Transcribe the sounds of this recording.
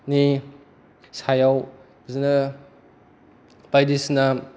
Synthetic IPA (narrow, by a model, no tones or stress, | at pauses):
ni | sajaw | zinɐ | pajdisna